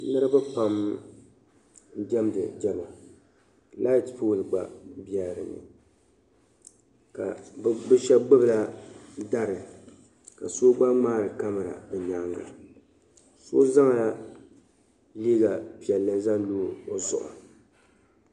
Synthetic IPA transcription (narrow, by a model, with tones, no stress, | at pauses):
nɨ˦ɾɨ˦bɛ˦pa˦m | n̩˦dɛ˦mdɨ˨d͡ʒɛ˦la˨ | la˦tpoː˦˨lɨ˨ɡ͡ba̰˨bi˦ɛ˨ɾɨ̰˨nɨ̰˨ | ka˨˦bɨ˦ʃɛ˦ɡ͡bɨ˦bɨ˨la˦da˦ɾɨ˨ | ka˨so˦ɡ͡ba˦maː˦ɾɨ˨ka˦mɨ˨ɾa̰˨bɨ˨ɲa˨ŋɡa̰˨ | soː˦za˦ŋ˨la˦ | li˦ɡa˨pi˨ɛ˨lːɨ˦za˦n˦loː˦˨o˨zʊ̰˨ʔʊ̰˨